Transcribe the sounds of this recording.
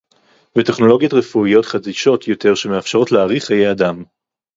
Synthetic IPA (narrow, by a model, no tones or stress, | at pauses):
vete̞χno̞lo̞ɡjotʁefuijo̞t̪χadiʃo̞t̪jote̞ʁʃe̞meafʃaʁo̞tleaʁiχhajejadam